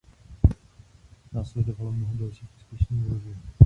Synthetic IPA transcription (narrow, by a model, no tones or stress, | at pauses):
naːslɛdovalomnoɦodalʃiːfʔuːspjɛʃniːɾozɛɲu